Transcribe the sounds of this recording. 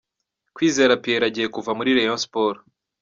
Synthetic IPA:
kwiːze̞ːɾapieɾaɟije̞kuvamuɾiɾejonspoːɾ

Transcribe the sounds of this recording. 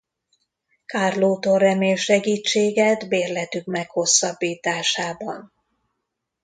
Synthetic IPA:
kaːrloːt̪orɛmeːlʃɛɡiːt͡ʃːeːɡɛt̪beːrlɛt̪ykmɛkho̞sːɒbːiːt̪aːʃaːbɒ̰n

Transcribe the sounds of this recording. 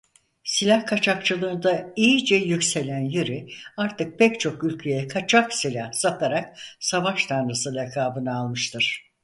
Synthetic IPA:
silʲahkʰat͡ʃʰak̚t͡ʃʰɯlˠɯːnd̪aijid͡ʒɛjycse̞lʲænjeɾiaɾt̪ʰɯk̚pʰɛct͡ʃʰo̞kylʲcʰejɛkʰat͡ʃʰaksilʲahsat̪ʰaɾak̚savaʃt̪ʰanɾɯsɯlakʰaːbɯnaalˠmɯʃt̪ʰɯɾ̥

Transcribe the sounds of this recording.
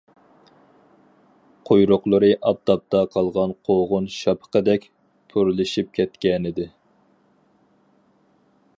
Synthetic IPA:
qʰojɾʊqlˠɨɾɨʔɑp̚t̪ɑp̚t̪ɑqʰɑlˠʁɑnqʰoʁʊnʃɑpʰə̥qəd̪ɛkʲ | pʰuɾlˠɪʃip̚kʲʰɛt̪kʲɛnɪd̪ɪ

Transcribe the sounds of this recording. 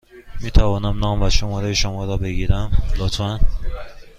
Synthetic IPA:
miːt̪ʰævɒːnæmnɒːmvæʃomɒːɾejeʃomɒːɾɒːbe̞ɡiːɾæmlot̪ʰfæn

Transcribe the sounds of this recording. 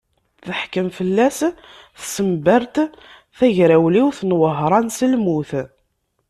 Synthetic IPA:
θəħkəmfəlːæs | θsəmbəɾt̪ | θæʝɾæwliwθnwəɦɾˤɑnsəlmuθ

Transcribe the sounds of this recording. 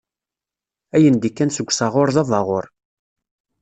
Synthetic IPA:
æjənd̪ikːænsəɡʷːsɑʁʊɾzɑvɑʁoɾˤ

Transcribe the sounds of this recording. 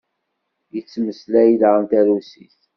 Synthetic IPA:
jət͡sːməslæjləʁənt̪æɾusiθ

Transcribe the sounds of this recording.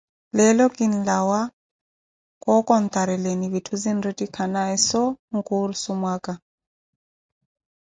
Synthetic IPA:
lɛlɔkinlawa | kɔkɔnt̪aɾɛleniβitʰuzinretikʰanaɛsɔŋkuɾsumwaka

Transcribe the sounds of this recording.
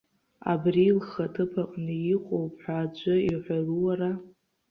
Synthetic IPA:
a̰brilχatʰɨpʰaqʼnɨjiqʼowpʰʼħʷᶣaːd͡ʒʷʼʊiħʷaruwara

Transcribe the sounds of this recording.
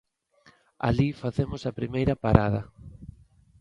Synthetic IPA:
a̰lifaθemʊsɐpɾimejɾɐpaɾað̞ɐ

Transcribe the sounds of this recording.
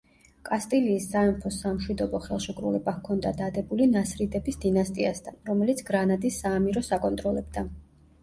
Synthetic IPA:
kʼast̪ʼiliːsːaɛmpʰɔsamʃwid̪ɔbɔχɛlˠʃikʼɾṵlɛbakʰɔnd̪ad̪ad̪ɛbulinasɾid̪ɛbisd̪inast̪ʼiast̪ʰanɾɔmɛlit̪sʰɡɾanad̪isaːmiɾɔsakʼɔnt̪ʼɾɔlɛbd̪a

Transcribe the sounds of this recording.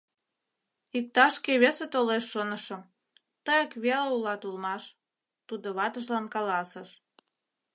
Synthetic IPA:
ik̚t̪ɑʃkeβeset̪oleʃːənəʃə̆m | t̪əjəkβeleulɑt̪ulmɑʃ | t̪ud̪oβɑt̪əʃ̬lɑnkɑlɑsəʃ

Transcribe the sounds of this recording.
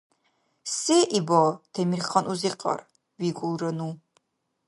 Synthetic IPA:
sɛːʔibɔt̪ʰɛmiɾχanʔuziqʼɑ̰ɾ | viɡʼulˠɾənu

